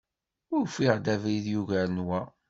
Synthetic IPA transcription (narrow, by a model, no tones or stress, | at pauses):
ʊɾfiʁd̪ævɾiðjuʝænwæ